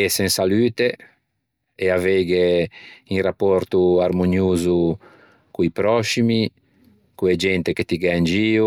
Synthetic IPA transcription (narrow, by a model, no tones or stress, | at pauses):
esɛ̃ŋsalyːt̪e | eavɛɡeiŋrapːɔɾt̪uaɾmonjuːzu | kuipɾɔʃimi | kued͡ʒɛnt̪eket̪iɡɛnd͡ʒiːu